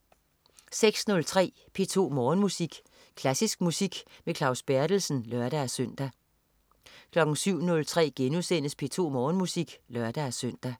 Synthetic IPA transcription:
seɡ̥snɔ̽lt͡sʰʁɛ̰ː | pʰe̝ːt͡sʰo̝̰ːmɒːnmusiɡ̥ | kʰlæsisɡ̥musiɡ̥mekʰlɑ̈ʊsb̥æɐɾ̥l̩sn̩lɶɐɾ̥ææsœn̰d̥æ | kʰlɒ̽ɡ̥n̩syʊ̰nɔ̽lt͡sʰʁɛ̰ːɡ̥enusen̰əspʰe̝̰ːt͡sʰo̝̰ːmɒːnmusiɡ̥lœɐd̥ææsøn̰d̥æ

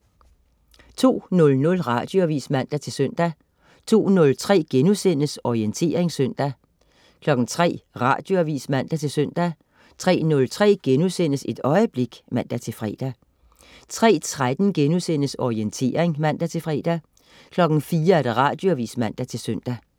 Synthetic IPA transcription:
t͡sʰo̝̰ːnɔ̽lnɔ̽lʁɑ̈d̥jo̝æʋḭːsmæn̰d̥æt͡sʰe̝lsøn̰d̥æ | t͡sʰo̝̰ːnɔ̽lt͡sʰʁɛ̰ːɡ̥enusen̰əsɒient͡sʰe̝̰ːɐe̝ŋsøn̰d̥æ | kʰlɒ̽ɡ̥n̩t͡sʰʁɛ̰ːʁɑ̈ːd̥jo̝æʋḭːsmæn̰d̥æt͡sʰe̝lsøn̰d̥æ | t͡sʰʁɛ̰ːnɔ̽lt͡sʰʁɛ̰ːɡ̥enusen̰əse̝d̥ɒ̽ɪəb̥le̝ɡ̥mæn̰d̥æt͡sʰe̝lfʁɛ̰ːd̥æ | t͡sʰʁɛ̰ːt͡sʰʁad̥n̩ɡ̥enusen̰əsɒient͡sʰe̝̰ːɐʁeŋmæn̰d̥æt͡sʰe̝lfʁɛ̰ːd̥æ | kʰlɒ̽ɡ̥n̩fiːɐæɐd̥æʁɑ̈d̥joæʋḭːsmæn̰d̥æt͡sʰe̝lsøn̰d̥æ

